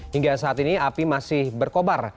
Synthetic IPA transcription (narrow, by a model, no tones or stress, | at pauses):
hiŋɡasaːt̪iniapimasɪhbərkobar